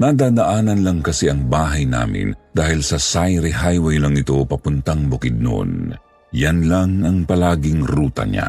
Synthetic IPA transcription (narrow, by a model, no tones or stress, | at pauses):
nad̪aːd̪aʔaːnɐnlɐŋkɐsiʔɐŋbaːɦɐjna̰ːmɪ̰nd̪̥aːhɪlsɐsajɾɛhajwɛjlaŋɪt̪o̞pɐpʊnt̪aŋbʊkɪd̪̚no̰ʔo̰n | janlaŋɐŋpɐlaːɡɪŋɾuːt̪ɐ̰ɲa̰